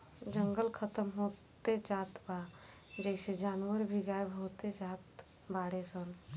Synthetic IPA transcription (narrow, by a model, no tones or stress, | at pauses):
d͡ʒəŋɡəlkʰət̪əmɦo | t̪ed͡ʒaːt̪ba | d͡ʒəɪsed͡ʒaːnʋəɾbʱiɡaːjebɦoːt̪ed͡ʒaːt̪ | baːɽesən